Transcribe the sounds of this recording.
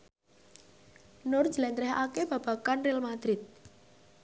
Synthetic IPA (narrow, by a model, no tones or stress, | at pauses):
nʊr̥ʒ̥əlɛnt̪ɾɛɦakeb̥a̤b̥a̤kanrilmad̪̥ɾɪt̪̚